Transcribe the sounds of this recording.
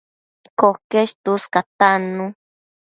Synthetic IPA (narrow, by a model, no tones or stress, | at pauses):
kokeʃt̪uskat̪anũ